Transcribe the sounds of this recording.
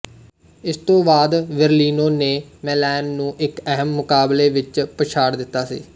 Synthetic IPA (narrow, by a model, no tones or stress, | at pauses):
ɪst̪õːbaːd̪ʋəɾliːnoːneːmɛːlɛːnːũːʔɪkəɦəmːʊkaːbleːʋɪt͡ʃpət͡ʃʰaːɽd̪ɪt̪ːaːsḭː